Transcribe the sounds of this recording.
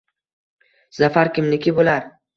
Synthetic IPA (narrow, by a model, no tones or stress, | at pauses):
z̥afaɾkʲɪmnɪkʲʰɪbolaɾ